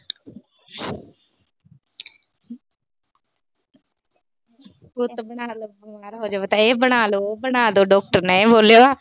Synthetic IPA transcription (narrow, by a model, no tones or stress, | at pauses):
pʊt̪bəɽaːlobʊmaːɾɦoːd͡ʒaːʋet̪ãːeːbəɽ̃aːloːbənaːd̪oːɖɔːk̚ʈəɾnɛboːljoaː